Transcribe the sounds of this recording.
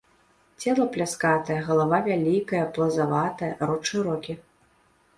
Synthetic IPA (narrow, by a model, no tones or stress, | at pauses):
t͡sʲɛlˠɐplʲaskat̪ɐjɐɣɐlˠavavʲalʲikɐjɐplˠɐzavat̪ɐjɐɾɔt͡ʂɨɾɔkʲi